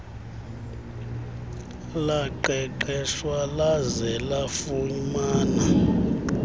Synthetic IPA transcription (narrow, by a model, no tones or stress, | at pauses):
laǃɛǃɛʃwalazɛlafuɲmaːna